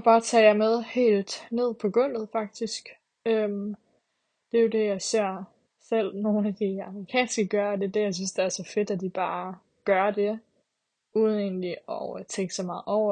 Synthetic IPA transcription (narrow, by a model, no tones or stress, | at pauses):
b̥ɑ̈ːt͡sʰɛ̰jɑ̈ɪmeð̞ˠhe̝̰ːld̥ne̝ð̰ˠpʰɒ̽ɡ̥ɔ̽n̰ð̩ˠfɑ̈ɡ̥̚d̥isɡ̥ | øm | d̥e̝jo̝de̝jɑ̈ɪse̝ɐ̰ | sel̰no̝ːnæd̥iɑ̈mʁikʰɛ̰ːnsɡ̥əɡ̥ɶɐd̥e̝d̥ejɑ̈ɪs̬ynsd̥e̝æɐsɒ̽fe̝d̥æd̥ib̥ɑ̈ː | ɡ̥ɶɐd̥e̝ | uːðˠn̩e̝ːnliɒt͡sʰeŋɡ̥əsɒ̽mɑ̈ːð̩ˠɒʊ̰ɐ